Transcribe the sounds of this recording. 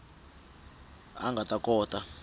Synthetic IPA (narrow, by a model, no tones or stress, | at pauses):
a̰ŋɡʱatʼakʼɔːtʼa